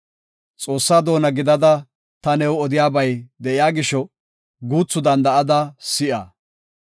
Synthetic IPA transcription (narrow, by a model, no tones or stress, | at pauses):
t͡sʼo̞ːsːaːd̪o̞ːnɐɡɪd̪ɐd̪ɐ | t̪ɐnɛwɔd̪ɪjaːbɐjd̪ɛʔɪjaːɡɪʃɔ | ɡuːt͡sːʊd̪ɐnd̪ɐʔɐd̪ɐsɪʔɐ